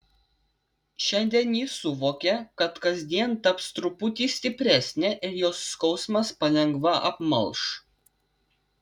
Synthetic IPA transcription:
ʃʲɛnʲd̪ʲiɛnʲjiːsʊʋoːkʲɛkɐt̪kɐzʲd̪ʲiɛnt̪ɐpst̪ɾʊpʊt̪ʲiːsʲt̪ʲɪpʲɾʲæsʲnʲɛʔɪɾjoːsːkɒʊsmɐspɐlʲɛŋɡʋɐʔɐ̰pmɐlˠʃ

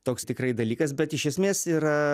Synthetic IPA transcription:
t̪oːkst̪ʲɪkrɐɪd̪ɐlʲiːkɐsbʲɛt̪ɪʃʲɛsʲmʲeːsiːɾɐ

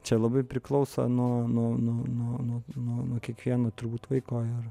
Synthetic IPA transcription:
t͡ʃʲɛlˠɐbɐɪpʲɾʲɪklˠɐʊsɐ̰nuɔnuɔnuɔnuɔnuɔnuɔnuɔkʲiɛkʋʲiɛnoːt̪ʊrbuːt̪ʋɐɪkoːɪr

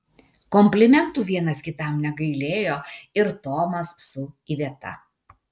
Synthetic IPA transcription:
kɔmʲpʲlʲɪmʲɛnt̪uːʋʲiɛnɐskʲɪt̪ɐˑmnʲɛɡɐɪlʲeːjoːɪɾt̪oːmɐsːʊiʋʲiɛt̪ɐ̰

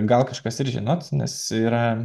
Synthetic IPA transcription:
ɡɐlˠkɐʃkɐsɪɾʒʲɪnoːt̪nʲɛ̰siːɾɐ

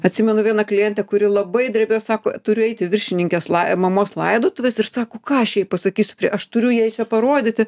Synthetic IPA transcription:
ɐt̪ʲsʲɪmʲɛnʊʋʲiɛnɐklʲɪjɛnʲt̪ʲɛkʊɾʲɪlˠɐbɐɪd̪ʲɾʲɛbʲejosɑːkoːt̪ʊɾʲʊɛɪt̪ʲɪʋʲɪrʲʃʲɪnʲɪŋʲkʲɛslˠɐmɐmoːslˠɐɪd̪oːt̪ʊʋʲɛsɪrsɑːkoːkɑːɐʃjɛpɐsɐkʲiːsʲʊ̥pʲɾʲiʔɐʃt̪ʊɾʲʊjiɛt͡ʃʲɛpɐɾoːd̪ʲɪt̪ʲɪ

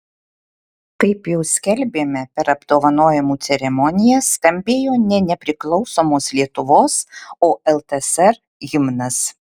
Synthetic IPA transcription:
kɐɪpjɛʊsʲkʲɛlʲbʲeːmʲɛpʲɛɾɐbd̪oːʋɐnoːjɛmuːt̪sʲɛɾʲɛmɔnʲɪjɛsk̪ɐmʲbʲeːjoːnʲɛnʲɛpʲɾʲɪklˠɒʊsoːmoːslʲiɛt̪ʊʋoːsoːɛlˠt̪ɛsɛɾ | jʲɪmnɐs

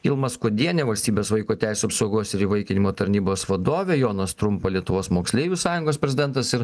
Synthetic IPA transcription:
ɪlˠmɐskoːd̪ʲiɛnʲeːʋɐlʲsʲt̪ʲiːbʲeːsʋɐɪkuːt̪ʲæˑɪsʲuɐpsoʊɡoːsɪɾiːʋɐɪkʲɪnʲɪmoːt̪ɐɾʲnʲiːboːsʋɐd̪oːʋʲejoːnɐst̪ɾʊmpɐlʲiɛt̪ʊʋoːsmoːksʲlʲeːjʲusɑːjʊŋɡoːs̬pʲɾʲɛzʲɪd̪ʲɛnt̪ɐsɪɾ

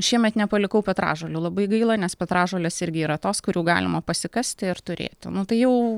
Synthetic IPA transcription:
ʃʲiɛmʲɛt̪nʲɛpɐlʲɪkɐʊpʲɛt̪ɾɑ̰ːʒoːlʲuːlˠɐbɐɪɡɐɪlˠɐnʲɛspʲɛt̪ɾɑːʒoːlʲeːsɪɾʲɡʲɪiːɾɐt̪oːskʊɾʲuːɡɑ̰ːlʲɪmɐpɐsʲɪkɐsʲt̪ʲɪɪɾt̪ʊɾʲḛːt̪ʲnʊt̪ɐɪjɛʊ

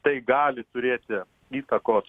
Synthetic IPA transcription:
t̪ɐɪɡɑːlʲɪt̪ʊɾʲeːt̪ʲɪ | iːt̪ɐkoːs

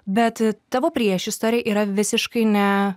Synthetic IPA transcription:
bʲɛt̪t̪ɑːʋoːpʲɾʲiɛʃʲɪst̪oːɾʲɪjɛʔiːɾɐʋʲɪsʲɪʃkɐɪnʲɛ

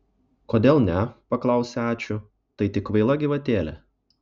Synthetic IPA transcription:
koːd̪ʲeːlˠnʲɛpɐklˠɐˑʊsʲɛæːt͡ʃʲʊ | t̪ɐɪt̪ʲɪkʋɐɪlˠɐɡʲɪʋɐt̪ʲeːlʲɛ̰

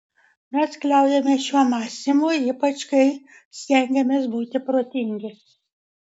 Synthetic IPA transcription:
mʲɛsklʲɛˑʊjɛmʲɛʃʲuɔmɑːsʲɪmuːiːpɐt͡ʃkɐɪ | sʲt̪ʲɛŋʲɡʲɛmʲeːsbuːt̪ʲɪpɾoːt̪ʲɪŋʲɡʲɪ

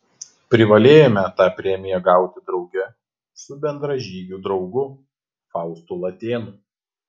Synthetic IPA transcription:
pʲɾʲɪʋɐlʲeːjomʲɛt̪ɑːpʲɾʲɛmʲɪjɛɡɑˑʊt̪ʲɪd̪ɾɒʊɡʲɛ | sʊbʲɛnd̪ɾɐʒʲiːɡʲuːd̪ɾɒʊɡʊ | fɑˑʊst̪ulˠɐt̪ʲeːnu

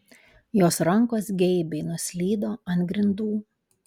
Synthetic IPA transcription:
joːsɾɐŋˑkoːsɡʲɛɪbʲɛɪnʊsʲlʲiːd̪oːɐnt̪ɡɾʲɪnd̪uː

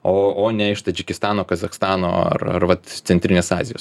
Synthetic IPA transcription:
oːoːnʲɛɪʃt̪ɐd͡ʒʲɪkʲɪst̪ɑːnoːkɐzɐxst̪ɑːno̰ːɐ̰rɐ̰rʋɐt̪t̪sʲɛnʲt̪ʲɾʲɪnʲeːsɑːzʲɪjo̰ːs

